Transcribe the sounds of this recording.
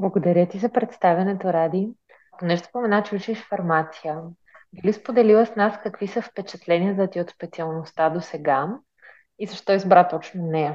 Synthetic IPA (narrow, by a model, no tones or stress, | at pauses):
blˠɐɡod̪ɐɾʲjət̪izɐpɾɛt̪st̪avʲɐnɛt̪oɾad̪i | ɐkonɛʃspomɛnat͡ʃɛut͡ʃiɛʃfɐɾmat̪sijə | d̪ulispod̪ɛlilˠəsnaskɐkvisəfpɛt͡ʃɐt̪lɛnʲiəd̪ɐt̪iot̪spɛt̪siɐlˠnost̪ad̪osɛɡa | izɐʃt̪ɔizbɾat̪ɔt͡ʃnonɛjə